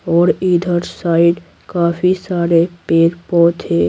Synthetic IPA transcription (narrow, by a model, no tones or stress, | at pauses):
ɔːɾiːd̪ʱəɾsaːɪɖ | kaːfisaːɾepeːɾpɔːt̪ʰeː